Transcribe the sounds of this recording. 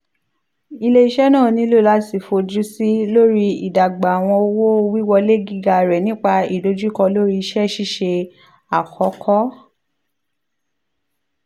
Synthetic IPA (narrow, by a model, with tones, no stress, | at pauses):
i˧le˧i˧ʃɛ˦nãː˦˨˧nĩ˧˦lo˦˨la˦si˨fo˧d͡ʒu˦si˦lo˦ɾi˧ḭ˨da˨ɡ͡ba˨w̃ɔ̃˧o˧wo˦˧wi˦wɔ˧le˦ɡi˦˨ɡa˧˨ɾɛ˨nĩ˦k͡pa˧i˨do˨˧˦d͡ʒu˦kɔ˧lo˦ɾi˧i˧ʃɛ˦ʃi˦ʃe˧ | a˨kʰɔ˨˦kʰɔ˦